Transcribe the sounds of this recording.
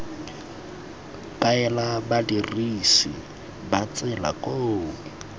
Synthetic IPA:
kaɛlabadirisḭ | bat͡sʼɛla̰kʼoːŋ̩

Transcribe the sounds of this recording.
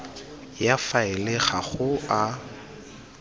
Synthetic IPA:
jafaɪlɪχaχʊa

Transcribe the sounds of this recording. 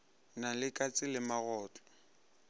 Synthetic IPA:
nalɪkʼat͡sʼɪlɪmaɣɔːt͡ɬʼɔ̥

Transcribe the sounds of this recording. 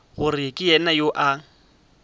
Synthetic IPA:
ɣʊrɪkʼɪjɛnajoʔa

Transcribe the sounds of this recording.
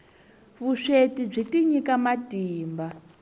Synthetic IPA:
βuʂetib͡ʐitiɲikamatiːmba

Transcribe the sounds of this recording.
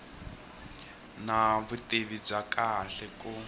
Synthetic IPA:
naβutʼeβib͡ʐakaɬɛkʼu

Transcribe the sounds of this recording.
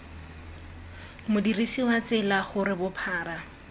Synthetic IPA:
mʊdirisiwat͡sɪlaχʊɾɪbʊpʰaːra

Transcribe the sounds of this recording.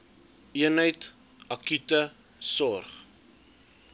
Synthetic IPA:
iənɦəjt | ɐkytə | sɔrχ

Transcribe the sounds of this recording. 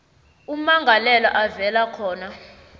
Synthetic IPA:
um̩maŋɡʱalɛlɔ̰ʔavɛlakʰɔːna

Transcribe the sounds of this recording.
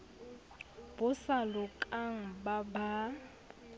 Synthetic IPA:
b̥ʊsalʊkʼaŋ̩baba

